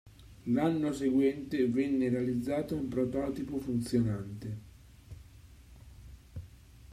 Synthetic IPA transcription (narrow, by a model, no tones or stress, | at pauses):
lanːoseɡwɛnt̪evɛnːeɾealid̪zːaːt̪oumpɾot̪ɔːt̪ipofunt̪sjonant̪e